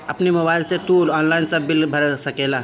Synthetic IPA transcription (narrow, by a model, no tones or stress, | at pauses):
ɐpnimʊbaɪlset̪uːlɔːnlaɪnsəbilbʱəɾsəkela